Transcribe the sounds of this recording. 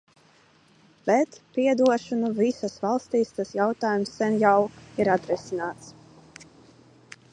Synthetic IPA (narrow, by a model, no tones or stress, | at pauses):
b̥ɛt̪pʲiɛd̪uɔʃunuvisasvalˠst̪iːst̪asjawt̪aːjumsːɛnjawiɾat̪ɾisinaːt̪s